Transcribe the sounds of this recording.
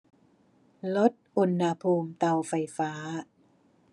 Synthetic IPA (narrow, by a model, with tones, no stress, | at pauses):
lo˦˥t̪̚ʔu˧nha˧pʰuː˧mt̪a˧wfa˧jfaː˦˥